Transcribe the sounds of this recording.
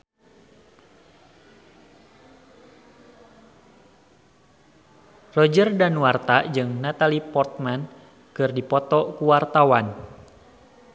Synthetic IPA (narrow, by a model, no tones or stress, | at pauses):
rɔd͡ʒərdanuwart̪ad͡ʒɨŋnat̪alipɔrt̪̚man | kɨrdipɔt̪ɔkuwart̪awan